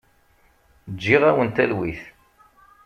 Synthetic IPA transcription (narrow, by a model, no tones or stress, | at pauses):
d͡ʒːiʁæwənt̪ælwiθ